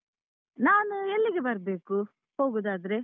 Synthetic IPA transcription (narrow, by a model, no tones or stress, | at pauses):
naːnuelːiɡe̞bɐɾɐbe̞ːku | ho̞ːɡud̪aːd̪ɐɾe̞